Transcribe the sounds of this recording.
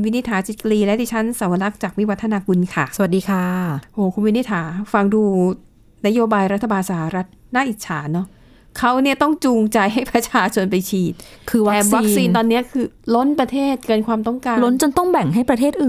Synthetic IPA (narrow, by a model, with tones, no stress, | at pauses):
nwi˦˥ni˦˥t̪ʰaː˩˦t͡ɕi˨˩t̪̚kliː˧lɛ˦˥diː˧t͡ɕʰa˦˥nsa˨˩˦wa˧la˦˥k̚t͡ɕaː˨˩k̚mi˦˥˩wa˦˥t̪ʰːa˧naː˧ku˧nkʰa˥˩sa˧wa˨˩t̪̚diː˧kʰaː˥˩ʔoː˨˩kʰu˧nwi˦˥ni˦˥t̪ʰːaː˩˦fa˧ŋduː˧ | na˦˥joː˧baː˧jɾt̪ʰːa˧baː˧nsa˧˩a˨˩ɾa˦˥t̪̚naː˥˩ʔi˨˩t͡ɕʰaː˩˦nɔ˦˥ | kʰa˦˥wni˥˩ɐt̪ɔ˥˩ŋt͡ɕuː˧ŋt͡ɕa˧jɦa˥˩jpɾa˧t͡ɕʰaː˧t͡ɕʰo˧npa˧jt͡ɕʰiː˨˩t̪̚kʰɯː˧waː˦˨˩swa˦˥k̚siː˧nt̪ɔː˧nːi˦˥ɐkʰɯː˧lo˦˥npɾa˧t̪ʰeː˥˩t̪̚kɤː˧nkʰwaː˧mt̪ɔ˥˩ŋkaː˧lo˦˥nt͡ɕo˧nt̪ɔ˥˩ŋbɛ˨˩ŋɦa˥˩jpɾa˧eː˥˩t̪̚ʔɯː˨˩